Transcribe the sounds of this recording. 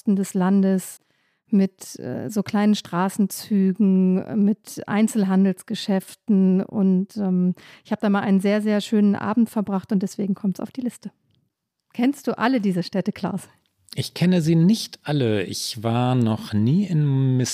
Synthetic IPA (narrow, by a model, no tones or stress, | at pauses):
stn̩dɛslandəs | mɪtʔɛ̰ːzoːkl̥aɪnənʃtʁ̥aːsn̩t͡syːɡŋ̩mɪtʔa̰ɪnt͡sl̩ɦandl̩sɡ̥əʃɛftn̩ʊ̰ntʔɛːmʔɪçhaːbədaːnmaːlʔaɪnənzeːɐzeːɐʃøːnənʔa̰ːbm̩tfɛɐbʁaχtʊnt̚d̥ɛsv̥eːɡŋ̩kʰɔmtsa̰ʊfd̥iːlɪstə | kʰɛnstd̥uːʔalədiːzəʃtɛtəkʰl̥a̰ʊz | ʔɪçkʰɛnəziːnɪçtʰʔaləɪ̰çv̥aːɐnɔχniːɪnmɪs